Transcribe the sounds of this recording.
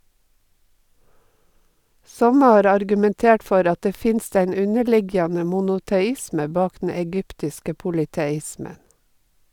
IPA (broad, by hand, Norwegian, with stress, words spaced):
ˈsɔmə ˈhɑːɾ ɑɾɡʉmɛnˈteːʈ ˈfɔɾ ˈɑ ˈteː ˈfɪnst ˈeɪn ˈʉnəˌɭɪɡjɑnə mʊnʊtɛˈɪsmə ˈbɑːk dn̩ ɛˈɡʏptɪskə pʊlɪtɛˈɪsmən